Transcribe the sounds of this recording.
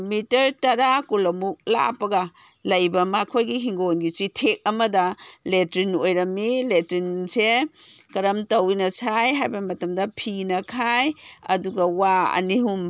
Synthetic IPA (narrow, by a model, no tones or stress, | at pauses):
mitɐɾtɐɾakulɐmuk̚la̰pɐɡɐ | lɐjbɐmakʰojɡiɦiŋɡonɡisitʰek̚ɐmɐdɐletɾinojɾɐmːiletɾinsekɐɾɐmtɐwinɐsajɦajbɐmɐtɐmdɐpʰinɐkʰajɐ̰duɡɐwaɐ̰niɦum